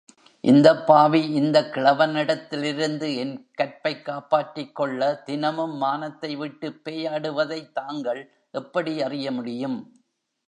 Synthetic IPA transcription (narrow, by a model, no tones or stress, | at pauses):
ʔɪ̰nd̪ɐpːaːʋiɪnd̪ɐkɪɭɐʋɐnɪɽɐt̪ːɪlɪɾɯnd̪ɯɛnkɐɾpɐɪkːaːpaːʈːɪkːɔɭːɐd̪ɪnɐmɯmːaːnɐt̪ːɐɪʋɪʈːɯpːeːjaːɽɯʋɐðɐɪt̪ːaːŋɡɐɭ | ʔɛpːɐɽiɐrɪjɐmʊɽɪjɯm